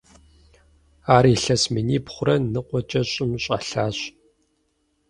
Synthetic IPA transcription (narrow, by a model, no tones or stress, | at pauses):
aːɾiːɬɐsminiːpχʷʊrɐnɨqʷʼɔt͡ʃʼɐɕʼɪmɕʼɐ̰ɬaːɕ